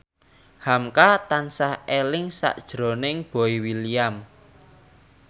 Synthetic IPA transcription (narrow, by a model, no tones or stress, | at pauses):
hamkat̪ansahelɪŋsa̰ʔd̥ʒ̥ɾo̤nɪŋb̥ɔ̤iwiliam